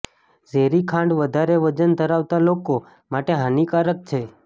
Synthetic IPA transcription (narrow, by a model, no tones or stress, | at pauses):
d͡ʒeɾikʰãɳɖʋəd̪ʱaɾeʋəd͡ʒənd̪ʱəɾaʋt̪aloko | maʈeɦanikaɾək̚t͡ʃʰe